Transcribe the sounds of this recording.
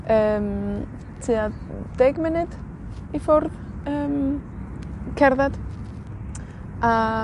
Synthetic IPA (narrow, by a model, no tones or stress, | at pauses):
əːm | tʰɨːa | d̥ɛɡmɪnɨd̥ | ifʊrð | əːm | kʰɛɾðad̥ | ʔa